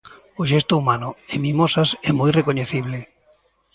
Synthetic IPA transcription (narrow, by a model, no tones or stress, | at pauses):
oʃɛst̪ʊumanʊemĩmosasɛmojrekoɲeθiβ̞le